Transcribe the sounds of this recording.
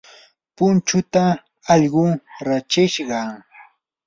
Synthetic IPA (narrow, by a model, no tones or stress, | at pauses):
pʊnt͡ʃʊt̪a | ɑʎɢʊŋɾat͡ʃɪʃɢɑ